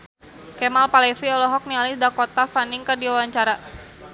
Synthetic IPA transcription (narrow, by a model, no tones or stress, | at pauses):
kɛmalpalɛfiɔlɔɦɔk̚nialɪsdakɔt̪afaniŋkərdiawaɲt͡ʃaɾa